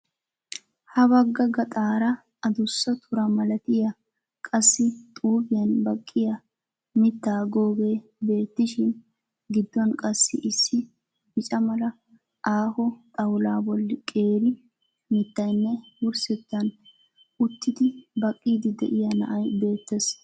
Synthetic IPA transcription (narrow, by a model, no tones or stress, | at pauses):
hɐbɐɡːɐɡɐt̪ʼaːɾɐ | ɐd̪ʊsːɐt̪ʰʊɾɐmɐlɐt̪ɪjɐ | kʼɐsːɪt̪ʼuːbɪjɐnbɐkʼːɪjɐ | mɪt̪ːaːɡoːɡe̞ːbe̞ːt̪ːɪʃɪn | ɡɪd̪ːɔnkʼɐsːɪ̰ʔɪsːɪ | bɪt͡ʃʼɐmɐlɐ | ʔaːhɔt̪ʼɐwlaːbɔlːɪkʼe̞ːɾɪ | mɪt̪ːɐjnːɛwʊɾsɪt̪ːɐn | ʊt̪ːɪd̪ɪbɐkʼːiːd̪ɪd̪ɛ̰ʔɪjɐnɐ̰ʔɐjbe̞ːt̪ːes